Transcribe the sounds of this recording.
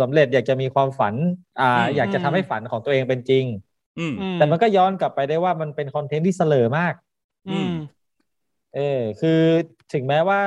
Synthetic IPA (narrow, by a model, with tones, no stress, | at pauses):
sa˩˦mɾe˨˩t̪̚jaː˨˩k̚t͡ɕa˨˩miː˧kʰwaː˧mfa˩˦nʔaː˨˩jaː˨˩k̚t͡ɕa˨˩t̪ʰa˧mha˥˩jfa˩˦nkʰɔː˩˦ŋt̪u˧ʔeː˧ŋpe˧nt͡ɕi˧ŋ˧˩ | t̪ɛː˨˩ma˧nkɔː˥˩jɔː˦˥˨nka˨˩pːa˧jda˥˩jwaː˥˩ma˧npe˧nkʰɔ˧nt̪ʰe˦˥nt̪ʰiː˥˩sa˧lɤː˨˩maː˥˩k̚ː | ʔɤː˧kʰɯː˧ | t̪ʰɯ˩˦ŋmɛː˦˥waː˥˩